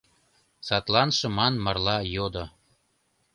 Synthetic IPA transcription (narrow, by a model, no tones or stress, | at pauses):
sɑt̪lɑnʃɤ̆mɑnmɑrlɑjod̪o